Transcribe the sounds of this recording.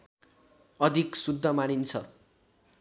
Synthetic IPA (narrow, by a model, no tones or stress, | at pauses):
ʌd̪ʱiksud̪ʱːʌmanint͡sʰʌ̰